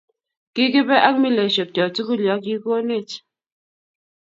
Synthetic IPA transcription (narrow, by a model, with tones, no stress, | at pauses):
ki˦ke˦be˦ʔa˦k̚mi˦le˨ʃo˨k̚tɔ˨tu˦ku˦ljɔ˨˦ki˦ko˦ne˦˨t